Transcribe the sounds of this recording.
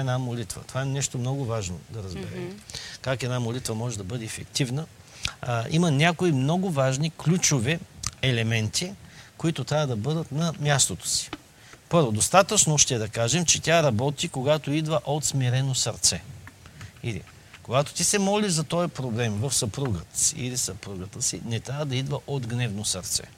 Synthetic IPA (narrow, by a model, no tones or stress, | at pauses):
ɛnamolit̪və̰t̪o̥vaɛnɛʃt̪omnɔɡʊvaʒno̰d̪ɐɾəzbɛɾɛ̰mkakɛd̪namolit̪vɐmɔʒɛd̪ɐbɤd̪ɛːfɛkt̪ivnə | imɐnʲakoimnɔɡʊvaʒniklʲut͡ʃoviɛlɛmɛnt̪ʰikoit̪ot̪ɾʲavəd̪ɐbɤd̪ət̪nɐmʲjast̪ot̪o̥si̥ | pɤɾvod̪ost̪at̪ət͡ʃnoʃt̪ɛd̪ɐkaʒɛmt͡ʃɛt̪ʲaɾɐbɔt̪ikoɡat̪oid̪vəʔot̪smiɾɛnosɐɾt̪sɛ | ilḭ | koɡat̪o̥t̪isɛmɔlizɐt̪ɔjɐpɾoblɛmvɐfsɐpɾuɡət̪ə̥sḭḭlisɐpɾuɡət̪əsḭnɛt̪ɾʲavəd̪ɐid̪vəʔod̪ɡnɛvnosɐɾt̪sɛ̰